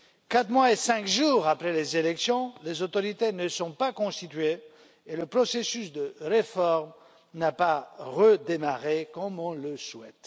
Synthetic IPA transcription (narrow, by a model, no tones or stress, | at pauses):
kat̪χmwaesɛ̃kʒuːʁapχɛlezelɛksjɔ̃lezot̪ɔʁit̪enəsɔ̃pakɔ̃st̪it̪ɥe | eləpχɔsesysd̪əʁefɔʁm | napaʁəd̪emaʁekɔmɔ̃ləswɛt̪